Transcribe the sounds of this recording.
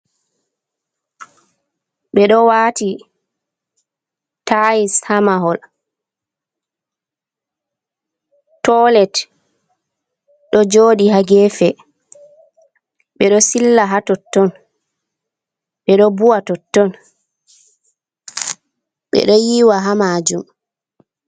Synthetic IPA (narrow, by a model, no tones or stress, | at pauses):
ɓɛɗɔwaːti | taishamaɦɔl | tɔlɛt | ɗɔd͡ʒoːɗiɦaɡɛfɛ | ɓɛɗɔsilːaɦatɔtːɔn | ɓɛɗɔbuwatɔtːɔn | ɓɛ̰ɗɔjiːwaɦamad͡ʒum